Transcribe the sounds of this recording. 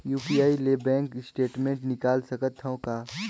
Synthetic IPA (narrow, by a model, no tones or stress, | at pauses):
juːpijaːilebɛ̃ːŋkɪsʈeːʈmẽːɳʈnɪkaːlsɐkət̪ʰːõkaː